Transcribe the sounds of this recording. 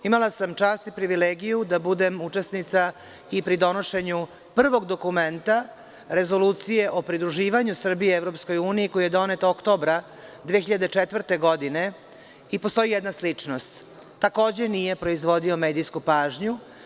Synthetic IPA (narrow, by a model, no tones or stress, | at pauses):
imalasamt͡ʃaːst̪ipɾiʋileːɡijud̪abud̪emut͡ʂesnit̪sa | ipɾid̪o̞no̞ʃe̞ɲu | pr̩ʋo̞ɡd̪o̞kument̪a | ɾe̞zo̞luːt̪sijeʔo̞pɾid̪ɾuʒiːʋaɲusr̩bieevɾo̞psko̞juːniiko̞jije̞d̪o̞net̪okt̪o̞bɾa | d̪ʋeːxçiʎad̪et͡ʃet̪ʋr̩t̪e̞ɡo̞d̪ine | ipo̞st̪o̞ijɛd̪naslit͡ʂnost̪ː | ako̞ːd͡ʑe̞nije̞pɾo̞izʋo̞d̪io̞meːd̪iskupaːʒɲu